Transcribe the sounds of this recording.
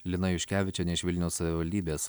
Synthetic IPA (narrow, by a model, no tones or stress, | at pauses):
lʲɪnɐjʊʃʲkʲæːʋʲɪt͡ʃʲɛnʲɛɪʃʋʲɪlʲnʲɛʊssɐʋʲɪʋɐlʲd̪ʲiːbʲeːs